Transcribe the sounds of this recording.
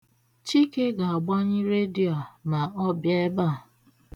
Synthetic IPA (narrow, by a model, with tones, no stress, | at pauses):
t͡ʃi˦ke˦ɡa˨a˨ɡ͡ba˦ɲɪ˦ɾe˦di˦a˨na˨ɔ˦bje˦ba˦˨